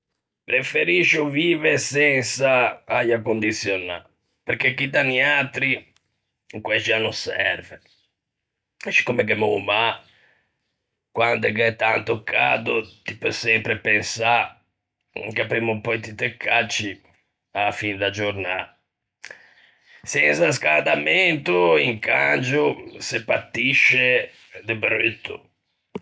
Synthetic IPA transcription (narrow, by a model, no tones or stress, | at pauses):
pɾefeɾiʃoviːvesɛnsaajakond̪it̪sːjona̰ | peɾkekːid̪aniat̪ɾi | kwɛt͡ʃianusɛɛ̰ɾve | ɛt͡ʃi̥kːomek̬emo̰ma | kwand̪ɛkɛt̪ːant̪okʰːa̰ːd̪ot̪ipəsɛmpɾepensa | kapemːupɔjt̪it̪ekːat͡ʃi | afinɛd̪ad͡ʒoɾna | sɛnsas̬kand̪ament̪uiŋkand͡ʒusepːat̪ːiʃːe | d̪ebɾet̪ːṵ